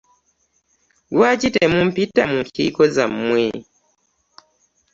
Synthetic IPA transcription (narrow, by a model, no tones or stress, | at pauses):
ɡwacitemumpitamuŋkḭkozammwe